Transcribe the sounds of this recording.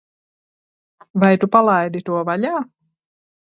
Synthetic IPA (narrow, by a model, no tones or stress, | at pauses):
vajt̪upalˠajd̪it̪uɔvaʎaː